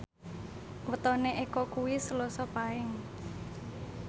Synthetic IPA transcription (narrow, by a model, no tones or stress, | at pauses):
wət̪ɔneʔekɔkuwisəlɔsɔpaɪŋ